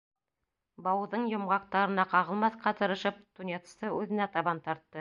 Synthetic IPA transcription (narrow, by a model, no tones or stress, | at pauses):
bɑwðɤɴjŏmʁɑq̚t̪ɑɾɤ̆nɑqɑʁɤ̆lˠmɑθqɑt̪ɤ̆ɾɤ̆ʃɤp̚t̪unʲet̪st̪ɤʉðɘ̆næt̪ɑβɑnt̪ɑɾt̪ːɤ